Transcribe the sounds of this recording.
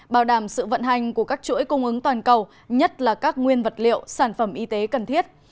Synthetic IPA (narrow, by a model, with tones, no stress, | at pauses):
ɓaː˧˩wɗaː˧˩msɨ̰˧˨və̰˧˨nɦa˨˩jŋ̟ku˧˩əkaː˦˥k̚t͡ɕṵ˧˥əjkʊ˧ŋ͡mʔɨ˨˦ŋt̪waː˨˩nkə˨˩w | ɲə˦˥t̚laː˨˩kaː˦˥k̚ŋwi˧ənvə˨˩t̚lḭ˧˨əwsaː˧˩nfə˧˩mʔi˧t̪e˨˦kə˨˩nt̪ʰi˦˥ət̚